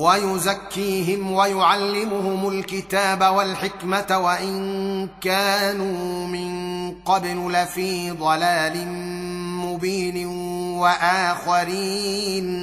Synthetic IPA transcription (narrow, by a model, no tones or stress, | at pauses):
wajʊzakːiːɦɪmwajʊʕalːɪmʊhʊmʊlkɪt̪aːbawalħɪkmat̪waʔɪnkaːnuːmɪnqɑbllɪfiːd̪ˤɑlaːlɪ | mʊbiːn | waʔaːxaɾiːn